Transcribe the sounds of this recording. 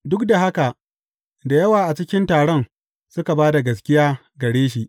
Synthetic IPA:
dʊ˦kda˨ɦa˦ka˨ʔ | da˨jɐ˦waː˨ʔa˨t͡ʃɪ˦kʲɪ˦ntaː˨ɽɔ˦ŋ | sʊ˦ka˨baː˦da˨ɡɐ˨skʲɪ˦jaː˦ | ɡɐ˨ɽeː˦ʃ̬i˨ʔ

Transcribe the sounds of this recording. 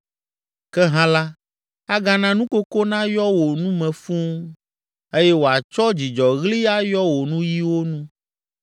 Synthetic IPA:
kɛ˦ɦã˦la˦ | a˦ɡã˦nã˦nũ˦ko˦ko˦nã˦jɔ˦wo˨nũ˦mɛ̃˨fũ˦ŋ | e˦jɛ˦wo˨a˨t͡ʃɔ˦d͡ʑi˨d͡ʒɔ˨ɣli˦a˦jɔ˦wo˨nũ˦ji˦wo˦nũ˦

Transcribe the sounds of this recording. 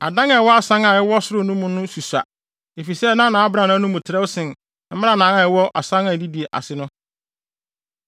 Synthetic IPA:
a̰˨dã˦ŋa˨˦wɔ˦a˨sã˦ŋa˨ɛ˦wɔ˦sʊ˦ɾʊ˦nʊ̃˦mʊ̃˦nʊ̃˦su˨sa̰˨ | e˨fi˨sɛ˦nã˦nã˨a˦bɾã˨nã˨˦nʊ̃˦mũ˨tʰɪ˨ɾɛ˦wsɪ̃˨n˦ | m̩˦ɪ˦a˦nãː˨˦na˨ɛ˦wɔ˦ʔa̰˨sã˦ŋa˨di˦di˨e˨ʔa̰˨sɪ˦nʊ̃˦

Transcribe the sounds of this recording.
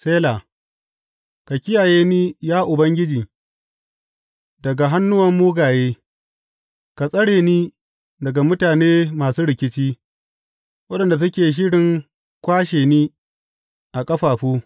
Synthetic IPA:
seː˦la˨ | ka˨kʲɪ˦jaː˨jeː˦niː˦jaː˦ʔʊ˨bɐ˦ŋɡʲɪ˦d͡ʒiː˨ | dɐ˨ɡa˨ɦa˦nːʊ˦wɐ˦mːuː˦ɡaː˨jeː˦ | ka˨sʼɐ˦ɽeː˨niː˦ | dɐ˨ɡa˨mʊ˦taː˨neː˦maː˨suː˦ɽɪ˨kʲɪ˦t͡ʃiː˦ | wɐ˦ɗɐ˨nda˨s̬ɐ˦kʲeː˨ʃ̬ɪ˦ɽɪ˨ŋ | kʷaː˦ʃeː˨niː˦ | ʔa˨kʼɐ˦ɸaː˨ɸuː˦

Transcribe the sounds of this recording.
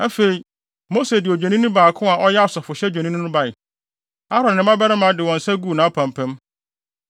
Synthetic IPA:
a˦fe˨i˨ | mo˦se˨dɪ˨ɔ˨d͡ʑᶣɛ˨nĩ˦nʊ̃˦baː˨kʰʊ̃˦a˨ʔɔ˦jɛ˦a˦˨sɔ˨fʊ˨ɕɛ˦d͡ʑᶣɛ˨nĩ˦nʊ̃˦nʊ̃˦ba˨ɪ˨ | a˦ɾɔ̃˨ɪ̃˨˦mã˦bɛ˦ɾɪ̃˦mã˨˦dɪ˨wɔ̃˨n̩˨sɛ˦ɡuː˦˨nãː˨˦pʰã˨mpʰɛ̃˦m

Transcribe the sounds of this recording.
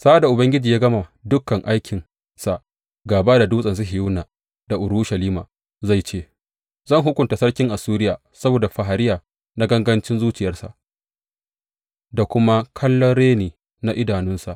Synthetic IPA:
saː˦da˨ʔʊ˨bɐ˦ŋɡʲɪ˦d͡ʒiː˨jaː˦ɡɐ˦ma˨dʊ˦kːɐ˨ŋʔa˦jkʲʰɪ˨n | sa˨ʔ | ɡaː˨baː˦da˨duː˦sʼɐ˨ns̬u˦ɦɪ˨juː˦naː˨ | da˨ʔʊ˨ɾuː˦ʃɐ˨liː˦ma̰ː˨ | za˦˨jt͡ʃeː˦ | zɐ˦˨ŋɦʊ˦kʷʊ˨nta˨sɐ˦rkʲɪ˦ŋʔa˨suː˦ɾɪ˦jaː˨ | sɐ˦boː˨da˨ɸa˨ɦa˨ɾɪ˦jaː˨ | na˦ɡɐ˦ŋɡɐ˦nt͡ʃɪ˦nzuː˦t͡ʃɪ˨jɐ˦rsa̰˨ʔ | da˨kʷʊ˦ma˦kʰɐ˦lːɔ˦nɽeː˦niː˨ | na˦ʔɪ˦daː˨nʊ˦nsa˨ʔ

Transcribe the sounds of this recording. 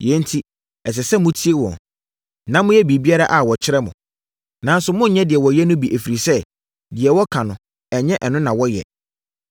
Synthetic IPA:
jɛ̃˦n̩˦tʰi˦ | ɛ˨s̬ɛ˨sɛ˦mʊ̃˦tʰi˦e˦wɔ̰̃˨n | nã˦mʊ̃˦jɛ˦bi˨bi˦a˦ɾa˦ʔa˨wɔ˨t͡ɕʰɪ˦ɾɛ˦mʊ̰̃˨ | nã˨˦n̩˦sʊ˦mʊ̃˦ɲɛ̃˦dɪ˨ɛ˨wɔ˨jɛ˦nʊ̃˦bi˨ʔæ˨fi˨ɾi˨sɛ˦ | dɪ˨ɛ˨wɔ˦kʰã˨nʊ̃˨ | ɛ˨ɲɛ̃˦ʔɛ˨nʊ̃˦nã˨wɔ˦jɛ̰˨

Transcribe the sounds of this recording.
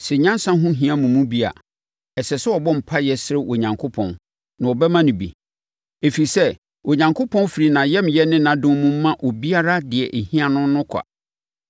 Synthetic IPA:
sɪ˨ɲã˦n˦sã˦ɦʊ̃˦ɦĩ˦ã˦mũ˨mũ˦bi˦a̰˨ | ɛ˨sɛ˨sɛ˦ɔ˨bɔ̃˦m̩˨pʰa˦jɛ˨sɪ˦ɾɪ˦wʔo˨ɲã˨ŋkʰo˦pʰɔ̃˨n | nã˨ɔ˨bɛ˦mã˦nɪ̃˨bḭ˨ | e˨fi˨sɛ˦ | wʔo˨ɲã˨ŋkʰo˦pʰɔ̃˦n˦fi˨ɾi˨nã˨jɛ˦m˨jɛ˦nɪ̃˦nã˨dʊ̃˦mũ˦m̩ː˦ã˦ʔɔ˨bi˦a˦ɾa˦dɪ˨ɛ˨ʔe˨hĩ˦a˦˨nʊ̃˦n˦nʊ̃˦kʰa̰˨

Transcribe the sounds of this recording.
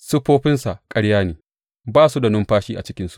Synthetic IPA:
sʊ˦ɸoː˦ɸɪ˦nsa˨ʔkʼɐ˦ɽjaː˦neː˨ | baː˦su˦da˨nʊ˦mɸaː˦ʃiː˦ʔa̰˨t͡ʃɪ˦kʲɪ˦nsu̥˦ʔ

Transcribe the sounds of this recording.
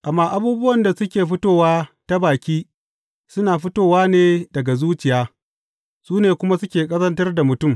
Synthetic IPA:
ʔa˨mːaː˦ʔa˦buː˦bʊ˦wɐ˨nda˨sʊ˦kʲeː˨ɸʊ˦toː˦˨waː˦ta˦baː˨kʲiː˦ | sʊ˦naː˨ɸʊ˦toː˨waː˦neː˦dɐ˨ɡa˨zuː˦t͡ʃɪ˨jaː˦ | suː˦neː˨kʷʊ˦ma˦sʊ˦kʲeː˨kʼɐ˦zɐ˦ntɐ˦rda˨mʊ˨tʊ˦m

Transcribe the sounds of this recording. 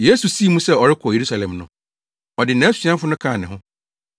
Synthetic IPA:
je˦su˨si˦˨mũ˦sɛ˦ɔ˨ɾɪ˦kʰɔ˨je˨ɾu˦sa˨lɛ̃˨mnʊ̃˨ | ɔ˨dɪ˨nã˨˦sɥã˦fʊ˦nʊ̃˦kʰã˦˨nɪ̃˨ɦʊ̃˦

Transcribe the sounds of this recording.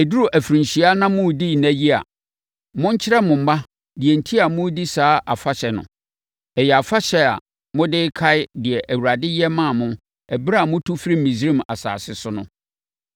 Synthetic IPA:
æ˨du˦ɾu˨ʔæ˨fɾĩ˨ɕi˨a˦nã˦mʊ̃˦˨di˦˨næ̃˦ji˦a̰˨ | mʊ̃˦ɲ̩˦t͡ɕʰɪ˦ɾɛ˦mʊ̃˨m̩˨˦ba˦ | dɪ˨ɛ˨n̩˨tʰi˦a˨mʊ̃˦di˦saː˨˦ʔa˨fa˦ɕɛ˨nʊ̰̃˨ | ɛ˨jɛ˨a˨fa˦ɕɛ˨a̰˨ | mʊ̃˦dɪ˦kʰa˦ɪ˦dɪ˨ɛ˨ʔæ˨wu˨ɾa˨dɪ˦jɛ˦mã˦˨mʊ̃˦ | ɛ˨bɾa˦˨mʊ̃˦tʰu˦fɾi˦˨ĩ˨sɾĩ˦ma̰˨sa̰ː˨sɪ˦sʊ˦nʊ̰̃˦

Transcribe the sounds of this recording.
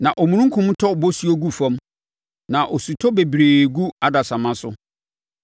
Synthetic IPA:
nã˨ʔɔ˨mũ˨ɾũ˦ŋ̩˦kʰũ˦m˦tʰɔ˦˨bo˦su˦o˦ɡu˦fã˦m | nã˨ʔɔ˨su˨tʰɔ˦be˨bɾeː˨ɡu˦a˦da˨sã˨mã˦sʊ˦

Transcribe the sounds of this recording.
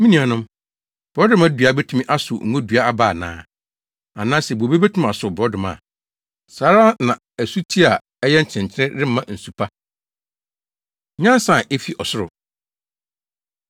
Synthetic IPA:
mĩ˦nĩ˨a˨nʊ̃˦m | b̥ɔ˦dʊ˦mã˦dɥa˨˦bɛ˦tʰũ˦mĩ˦ʔa˦sʊ˨ŋ̩˦õ˦dɥa˦a˦baː˦˨nã̰ː˦ | a˨nãː˦sɛ˨bo˨be˦be˦tʰũ˦ma˨sʊ˨bɔ˦dʊ˨ma̰˨ | saː˨˦ɾa˦nã˨ | æ˨su˦tʰi˦a˨ | ɛ˦jɛ˦ɲ̩˨t͡ɕʰɪ̃˨ɲ˨t͡ɕʰɪ˦ɾɪ̃˦ɾɪ˦m̩˦mã˨n̩˨su˨pʰa˦ | ɲã˦n˦sã˨ʔe˦fi˦ʔɔ˨sʊ˦ɾʊ̰˨

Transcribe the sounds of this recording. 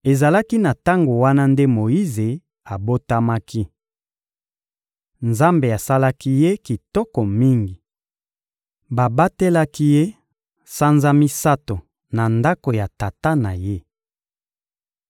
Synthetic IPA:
e˨za˨la˦ki˦na˨ta˦ŋɡo˨wa˦na˦nde˦mo˨ji˦ze˨ | a˨bo˦ta˦ma˦kʰi˦ | nza˦mbe˨a˨sa˦la˦ki˦je˦ki˨tɔ˦kɔ˨mi˦ŋɡi˨ | ba˨ba˦te˦la˦ki˦je˦ | sa˦nza˦mi˦sa˦to˨ | na˨nda˦ko˨ja˨ta˨ta˦na˨je˦

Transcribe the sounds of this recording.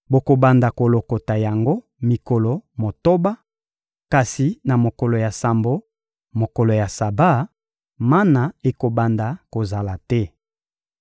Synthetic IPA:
bo˨ko˨ba˨nda˨ko˨lo˨ko˨ta˨ja˨ŋɡo˦ | mi˨kɔ˨lo˨mo˨to˦ba˦ | ka˨si˨na˨mo˨ko˨lo˨ja˨sa˨mbo˦ | mo˨ko˨lo˨ja˨sa˨ba˦ | ma˦na˨e˨ko˨ba˨nda˨ko˨za˨la˨tɛ˦

